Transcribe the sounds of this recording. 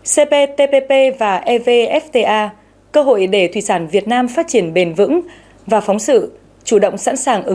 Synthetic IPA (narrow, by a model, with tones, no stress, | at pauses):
se˧pe˧t̪e˧pe˧pe˧vaː˨˩ʔɛ˧ve˧ʔɛ˦˥ft̪e˧ʔaː˧ | kəː˧ɦo̰˧˨jɗe˧˩t̪ʰwḭ˧˨˩saː˧˩nvi˨˩ət̚naː˧mfaː˦˥t̚t͡ɕi˧˩ənɓe˨˩nvɨ̰˧˥ŋ | vaː˨˩fɔ˨˦wŋ͡msɨ̰˧˨ | t͡ɕu˧˩ɗə̰˧˨wŋ͡msa̰ː˧˥nsaː˨˩ŋʔɨ˨˦